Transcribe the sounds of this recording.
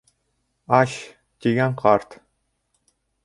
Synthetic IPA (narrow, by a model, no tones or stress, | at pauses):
ɑɕ | t̪ʲiɡʲænʲqʰɑrt̪